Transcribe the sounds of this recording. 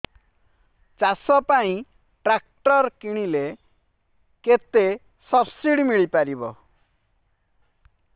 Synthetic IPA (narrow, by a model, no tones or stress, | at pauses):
t͡ʃasɔpaĩ | ʈɾakʈɔɾkiɽ̃ile | ket̪e | sɔbsiɽimiɭipaɾibɔ